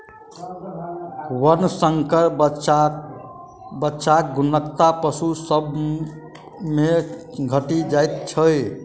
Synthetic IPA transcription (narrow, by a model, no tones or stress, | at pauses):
wənsəŋkəɾ | bətːʃak̚ɡunəkt̪apəsusəb | meɡʱəʈid͡ʒajt̪̚t͡ʃʰəj